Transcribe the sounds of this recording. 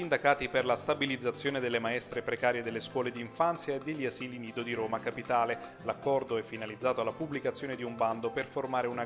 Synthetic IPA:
ind̪akaːt̪iperlast̪abilid̪zːat̪sːjoːned̪elːemaɛst̪ɾepɾekaːɾjed̪elːeskwɔːled̪iːɱfant̪sjaed̪ːeʎːiaziːliniːd̪od̪iɾoːmakapit̪aːle | lakːɔrd̪oɛfːinalid̪zːaːt̪oalːapublikat̪sːjoːned̪iumband̪operformaːɾeuna

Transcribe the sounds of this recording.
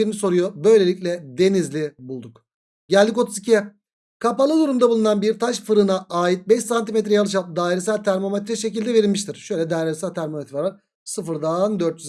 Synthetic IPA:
iɾiniso̞ɾujobø̞jlʲe̞lʲicʲlʲɛd̪e̞nizlʲibulˠd̪uk | ɟælʲd̪iko̞t̪ʰuzicʰijɛ | kʰapalˠɯd̪uɾumd̪abulˠunanbiɾt̪ʰaʃfɯɾɯnaaːjit̪̚bɛʃsant̪imet̪̬ɾɛjalˠɯʃ̬alˠd̪aːiɾɛsælʲt̪ʰæɾmo̞met̪ɾɛʃe̞cilʲd̪ɛve̞ɾilʲmiʃt̪ʰiɾ̥ʃø̞jlʲɛd̪aːiɾɛsælʲt̪ʰæɾmo̞met̪ɾvaɾvaɾ | sɯfɯɾd̪aːnd̪øɾt̪jyz

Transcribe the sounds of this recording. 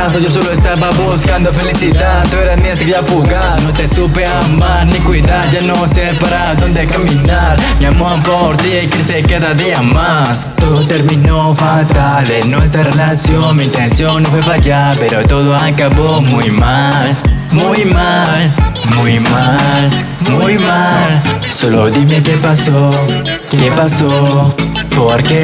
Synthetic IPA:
as̬oʝos̬oloest̪aβaβuskand̪ofelisit̪at̪ueɾasmĩeskafuɣaɾnot̪esupeamaɾnikwiðaɾʝanoseɾpaɾaðo̞nd̪e̞kaminaɾmjamoapoɾt̪iejkesekaðaðiama | st̪oðot̪e̞ɾmĩnofalt̪a | ðenwes̬t̪ɾarelasjonmiint̪ensjo̞ŋnːofwefaʝape̞ɾo̞t̪o̞ðoakaβo̞mujmalmujmalmujmal | muujmalso̞loðime̞kepaso | kkepaso | poɾke

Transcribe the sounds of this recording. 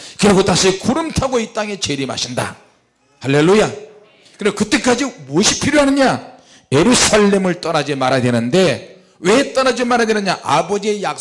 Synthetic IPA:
kɯɾeɡotaɕʰikuɾɯmtʰaɡoit͈aŋe̞t͡ɕe̞ɾima̰ɕʰinda̰ | halːe̞lːuja | kɯɾkɯt͈e̞k͈ad͡ʑimuʌɕʰipʰiɾjoɦanɯɲa | jeɾusʰaɭːe̞mɯɭt͈ʌnad͡ʑimaɾɦadwenɯnde̞ | we̞t͈ʌnad͡ʑimaɾadwenɯɲaʔa̰bʌd͡ʑie̞jak̚

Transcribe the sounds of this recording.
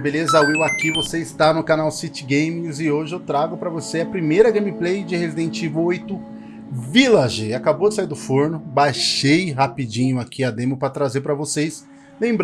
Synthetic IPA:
belezawiwakivoseɪst̪anʊkanawsit͡ʃɪɡẽjmĩzɪoʒɪewt̪ɾaɡʊpɾɐvoseɐpɾimejɾɐɡẽmiplejd͡ʒɪhezid̪ẽt͡ʃivʊojt̪ʊ | vilɐʒeakabowd͡ʒɪsaiɾd̪ʊfoɾnʊbajʃejɦapid͡ʒĩɲʊakʰiɐd̪ẽmʊpɾɐt̪ɾazeɾpɾɐvosejs | lẽbɾ

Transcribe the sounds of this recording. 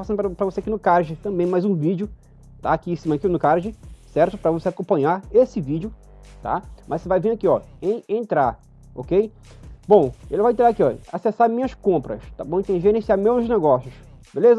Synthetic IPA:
fasɐ̃nʊpɾɐpɾɐvoseakinʊkaɾʒɪt̪ɐ̃bẽj̃majzũvid͡ʒʊ | t̪a̰ːkiĩsĩmɐkinʊkaɾʒɪsɛɾt̪ʊpɾɐvoseakõpɐ̃ɲaɾesɪvid͡ʒʊ | t̪a̰mʔɐsɪvajvĩakiɔẽj̃ẽnt̪ɾaɾ | o̰kej | bõw̃ḛlɪvajẽt̪ɾaɾakiɔasesaɾmĩɲɐskõmpɾɐ̰st̪abõĩt̪ẽʒeɾẽsiaɾmewzneɡɔsjʊsbelez

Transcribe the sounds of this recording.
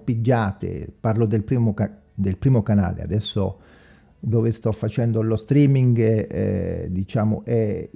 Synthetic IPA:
pid͡ʒːaːt̪ḛparlod̪elpɾimo | d̪elpɾiːmokana̰ːlḛa̰d̪ɛsːo̰ | d̪ɔːvest̪ɔfːat͡ʃɛnd̪olost̪ɾiːmiŋɡɛ̰d̪it͡ʃaːmo̰ʔɛ

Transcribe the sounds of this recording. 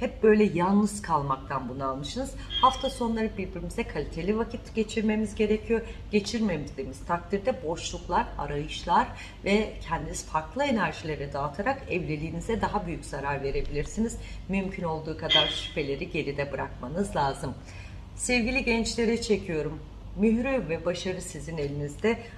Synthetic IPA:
hɛp̚bø̞jlʲɛjanˠnɯzkʰalˠmak̚t̪ʰanbunualˠmɯʃɯnɯz̥haft̪ʰaso̞nlˠaɾɯbiɾbiɾimizɛkʰalʲit̪ʰe̞lʲivacʰit̪ɟ̥e̞t͡ʃʰiɾme̞mizɟe̞ɾecʰijoɟ̥e̞t͡ʃʰiɾmemizd̪emiz̥t̪ʰak̚t̪ʰiɾd̪ɛbo̞ʃlˠuklˠaɾa̰ɾajɯʃlˠaɾ | vɛcʰɛnd̪inizfaɾklˠɯe̞næɾʒilʲe̞ɾɛd̪aːt̪ʰaɾakɛvlʲe̞lʲiːnizɛd̪aɦabyjycz̥aɾaɾve̞ɾe̞bilʲiɾsiniz̥ | mymcʰyno̞lˠd̪uːkʰad̪aɾʃi̥pe̞lʲe̞ɾiɟe̞ɾid̪ɛbɯɾa̰kmanɯzlʲˠaːzɯm | sɛvɟilʲiɟɛnt͡ʃlʲe̞ɾɛt͡ʃʰe̞cʰijo̞ɾumː | yhɾyvɛbaʃaɾɯsizine̞lʲinizd̪ɛ

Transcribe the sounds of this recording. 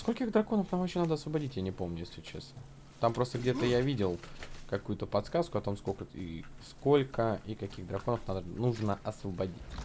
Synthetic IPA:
skolʲkʲɪɣd̪ɾɐko̞nəfnamvɐenad̪əɐsvəbɐdʲitʲjanʲɪpo̞mnʲʊjesʲlʲɪt͡ɕḛsnə | t̪ampɾo̞st̪əɡdʲe̞t̪əjavʲidʲɪlˠkɐkujʊt̪əpɐt̪skaskʊɐt̪o̞mskokəḭsko̞lʲkəikɐkʲiɣd̪ɾɐko̞nəfnad̪ənuʐnəʔɐsvəbɐdʲitʲ

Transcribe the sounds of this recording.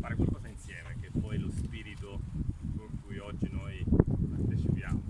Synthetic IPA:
faːɾekwalkɔːzainsjɛːmek̟epːɔjlospiːɾit̪okoŋkujɔd͡ʒːinojpart̪et͡ʃipjaːmo

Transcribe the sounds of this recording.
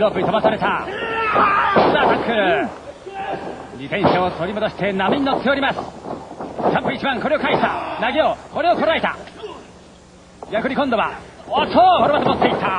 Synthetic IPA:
ɾoːpːɯ̟it̪oasaɾe̞t̪a | sɨd̪aːt̪akʰːɯɾ | ɾit̪ẽ̞ɰ̃ɕaot̪o̞ɾʲimo̞d̪o̞ɕi̥t̪e̞namʲiɲinot̪ʰːe̞oɾimasɨ̥ | sãmpɯit͡ɕibãŋko̞ɾe̞o̞kaiɕi̥t̪anaɡʲeoko̞ɾe̞oko̞ɾaet̪a | jakɯ̟ɾʲikõ̞nd̪o̞βaat̪ʰohoɾɯbat̪omot̪ːe̞it̪ʰːa

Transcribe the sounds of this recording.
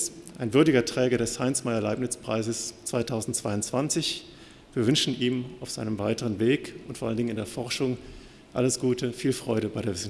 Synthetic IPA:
ʔaɪnvʏɐdɪɡɐtʁ̥ɛːɡɐɾɛshaɪnsmaɪɐlaɪpnɪt͡spʁ̥a̰ɪzəst͡sv̥aɪtʰaʊzn̩tt͡sv̥aɪʊntt͡sv̥ant͡sɪç | viːɐvʏnʃn̩ʔiːmaʊfz̥aɪnəmvaɪtəʁənveːkʊntfoɐʔaləndɪŋənɪndeːɐfɔɐʃʊŋ | ʔa̰ləsɡ̥uːtʰəfiːlfʁ̥ɔʏɾəbaɪɾeːɐvɪs̩

